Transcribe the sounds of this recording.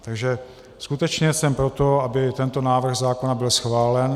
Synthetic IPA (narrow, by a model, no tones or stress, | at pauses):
t̪aɡʒɛ | skut̪ɛt͡ʃɲɛsɛmpɾo̞t̪o̞abɪt̪ɛnt̪o̞naːvr̩ɣzaːko̞nabɪlsxvaːlɛn